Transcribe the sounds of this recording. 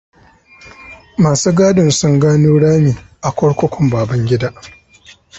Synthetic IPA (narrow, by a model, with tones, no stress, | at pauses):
maː˨suː˦ɡaː˦dɪ˨nsʊ˦ŋɡaː˦nuː˦ɽaː˦miː˨ʔa˨kʷɔ˦ɽkʷɔ˦kʷʰɔ˨mbaː˨bɐ˦ŋɡʲɪ˦daː˦ʔ